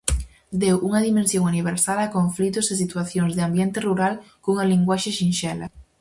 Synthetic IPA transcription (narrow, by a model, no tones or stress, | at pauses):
d̪ewʔuŋɐðimẽnsjoŋaniβ̞eɾsalakoɱflit̪ʊsɪsit̪waθjoŋzðɪambjɛnt̪ɪruɾal | koŋɐliŋɡwaʃɪʃinʃɛlɐ̰